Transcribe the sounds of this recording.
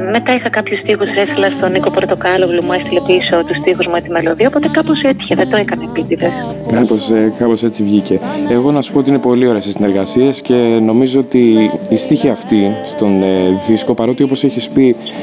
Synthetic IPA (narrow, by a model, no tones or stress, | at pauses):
me̞t̪ɐixɐkɐpçust̪ixusɾesilɐst̪o̞niko̞pɾot̪okɐlovlimuest̪ilepiso̞t̪ust̪ixuzmuet̪imelo̞ðiɐopot̪ekɐposet̪i̥çeðed̪oekɐnepit̪iðes | kɐposkɐpo̞se̞t͡sivʝice̞eɣo̞nɐsu̥poot̪iine̞po̞lio̞ɾeɐsisine̞ɾɣɐsiesce̞no̞mizo̞ot̪iːst̪içiɐft̪ist̪o̞nðisko̞pɐɾo̞t̪io̞po̞se̞çispi